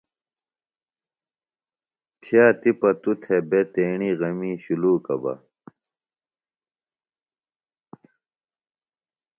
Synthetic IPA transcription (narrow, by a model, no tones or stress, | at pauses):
t̪ʰijaːt̪ipɐt̪ut̪ʰebet̪eːɳiɣɐmiːɕuluːkɐ̰bɐ̰